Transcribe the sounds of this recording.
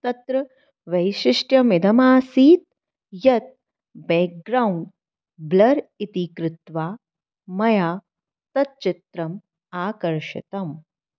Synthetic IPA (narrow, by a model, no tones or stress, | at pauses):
t̪ɐt̪ɾɐ | ʋɐjʃɪʂʈjɐmɪd̪ɐmaːsiːt̪̚ | jɐt̪̚ | beːk̚ɡɾaːwɳɖ | blɐɾit̪ikɾɪt̪ʋaː | mɐjaː | t̪ɐt̪̚t͡ʃit̪ɾɐm | aːkɐɾʃɪ̰t̪ɐm